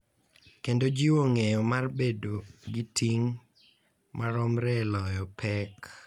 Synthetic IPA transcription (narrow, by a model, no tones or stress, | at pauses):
kendod͡ʒiwoŋejɔmarbedoɡɪtʰiŋ | maɾɔmɾɛlɔjɔpʰɛk